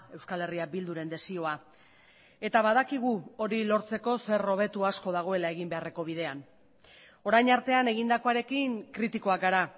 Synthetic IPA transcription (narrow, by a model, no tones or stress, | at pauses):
e̞wskale̞riabild̪uɾe̞nd̪e̞sio̞a | e̞t̪aβaðakiɣ̞uo̞ɾilo̞ɾt͡se̞ko̞se̞ro̞β̞e̞t̪uasko̞ðaɣ̞o̞e̞lae̞ɣ̞imbe̞are̞ko̞βiðe̞an | o̞ɾajɲaɾt̪e̞ane̞ɣind̪ako̞aɾe̞kiŋkɾit̪iko̞akɡaɾa